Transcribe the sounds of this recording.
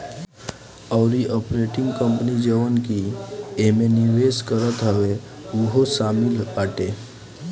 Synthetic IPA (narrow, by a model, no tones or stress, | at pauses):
əʊɾiʔɔpɾeʈɪ̃ŋɡkə̃mpnid͡ʒəʋənkiemeniʋeskəɾət̪ɦəʋe | uɦosaːmiləʈe